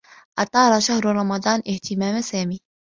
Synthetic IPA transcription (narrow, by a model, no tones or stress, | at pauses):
ʔɑt̪ˤɑːɾˤɑʃahɾɾˤɑmɑd̪ˤɑːnʔɪht̪ɪmaːmsaːmiː